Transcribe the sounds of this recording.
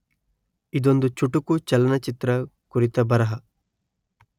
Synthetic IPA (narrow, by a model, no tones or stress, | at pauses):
id̪o̞nd̪ut͡ʃuʈukut͡ʃɐlɐnɐt͡ʃit̪ɾɐ | kuɾit̪ɐbɐɾɐɦɐ